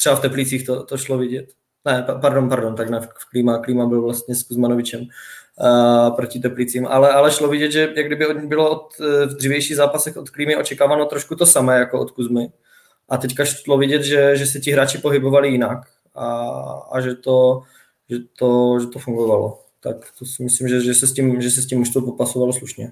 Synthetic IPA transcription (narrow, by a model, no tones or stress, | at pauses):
t̪rɛbaft̪ɛplit͡siːxt̪ot̪oʃlovɪɟɛt̪ | nɛppaɾdonpaɾdont̪aɡnɛffkliːmakliːmabɪlvlast̪ɲɛskuzmanovɪt͡ʃɛm | pɾocɪt̪ɛplit͡siːmʔa̰lɛʔalɛʃlovɪɟɛd̪ʒɛjaɡdɪbɪobɪloot̪vd̪riːvjɛjʃiːɣzaːpasɛxʔot̪kliːmɪʔot͡ʃɛkaːvanot̪ɾoʃkut̪osamɛːjakoʔot̪kuzmɪ | ʔat̪ɛckaʃlovɪɟɛd̪ʒɛʒɛsɛcɪɦɾaːt͡ʃɪpoɦɪbovalɪjɪnak | aa̰ʒɛt̪o | ʒɛt̪oʒɛt̪ofuŋɡovalo̰ | t̪akt̪osɪmɪslimʒɛʒɛsɛscimʒɛsɛs̬cimuʃt̪opopasovalosluʃɲɛ